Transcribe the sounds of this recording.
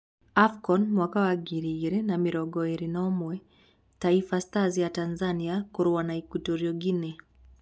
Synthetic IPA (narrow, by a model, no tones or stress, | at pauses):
afkɔnmwakawaɡiɾiɾɛnamiɾɔɡɔiɾinɔmwɛ | taifastazijatanzaniakuɾuanaikutuɾiɔɡinɛ